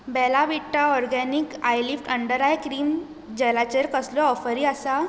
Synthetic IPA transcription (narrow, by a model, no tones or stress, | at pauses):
bɛlabiʈːaɔɾɡɛnikajlifʈəɳɖəɾajkɾiːm | d͡ʑɛlat͡ɕeɾkəslɔɔfəɾiasa